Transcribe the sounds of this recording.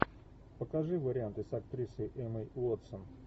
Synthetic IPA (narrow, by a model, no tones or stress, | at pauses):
pəkɐʐɨvəɾʲɪant̪ɨsɐk̚t̪ɾʲisɨjʔɛməjot̪sən